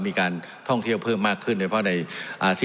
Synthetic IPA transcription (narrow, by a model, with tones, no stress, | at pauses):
miː˧kaː˧n | t̪ʰɔ˥˩ŋt̪ʰi˥˩əwpʰɤː˥˩mːaː˥˩kʰːɯ˥˩ndoː˧˩˥pʰɔ˥na˧jʔaː˧˩si˥